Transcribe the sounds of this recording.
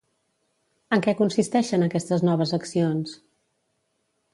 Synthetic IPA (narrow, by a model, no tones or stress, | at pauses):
əŋkɛkunsist̪ɛʃənəkɛst̪əznɔβ̞əzəksions